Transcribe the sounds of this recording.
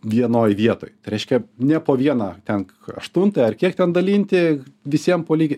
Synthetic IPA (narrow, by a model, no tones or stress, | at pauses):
ʋʲiɛnoːjʋʲiɛt̪o̰ːjt̪ɐɪɾʲɛɪʃʲkʲɛnʲɛpoːʋʲiɛnɑt̪ʲɛn | ɐ̰ʃt̪ʊnt̪ɑɐrkʲiɛkt̪ʲɛnd̪ɐlʲiːnʲt̪ʲɪʋʲɪsʲiɛmpoːlʲiːɡʲ